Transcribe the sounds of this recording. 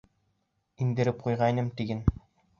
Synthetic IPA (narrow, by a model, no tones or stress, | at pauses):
ind̪ɘ̆ɾɘp̚qujʁɑjnɤmt̪iɡɘn